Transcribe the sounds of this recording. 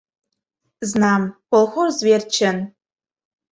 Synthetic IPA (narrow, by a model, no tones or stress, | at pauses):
znamkʷɔlxʷorzvert͡ʃʰɐn